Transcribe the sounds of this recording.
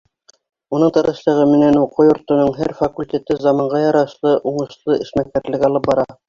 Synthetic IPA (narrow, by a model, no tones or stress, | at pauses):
unɤɴt̪ɤ̆ɾɤ̆ʃlˠɤ̆ʁɤmɘ̆nænuqojŏɾt̪ŏnɤɴɦæɾfakulʲtʲe̞t̪ɘzɑmɑɴɢɑjɑɾɑʃlˠɤʔuɴɤ̆ʃlˠɤʔɘ̆ʃmæk̚kæɾlɘ̆ɡɑlˠɤp̚bɑɾɑ